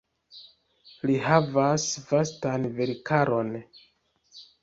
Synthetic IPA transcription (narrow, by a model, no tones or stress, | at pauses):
liɦavasvastanveɾkaɾo̞n